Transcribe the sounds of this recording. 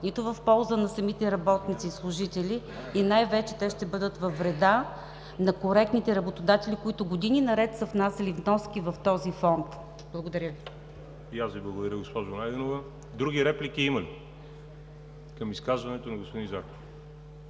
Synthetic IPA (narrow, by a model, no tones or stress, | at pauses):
nit̪ʊvɐfpɔlˠzənɐsɐmit̪ɛɾɐbɔt̪nit̪sislˠʊʒit̪ɛlʲiː | najvɛt͡ʃɛt̪ɛʃt̪ɛbɤd̪ət̪vɐfːɾɛd̪a | nɐkoɾɛk̚t̪nit̪ɛɾɐbot̪od̪at̪ɛlikoit̪ʊɡod̪ininɐɾɛt̪sɐfnasɐlivnɔskivɐft̪ɔzifɔnt̪ | blˠɡod̪ɐɾjəvi | iaszviblˠɐɡod̪ɐɾəɡospɔʒʊnajd̪ɛnovɐ | d̪ɾuɡʲiɾɛplikʲiimɐli | kəmiskazvɐnɛt̪onɐɡospod̪ĩnzako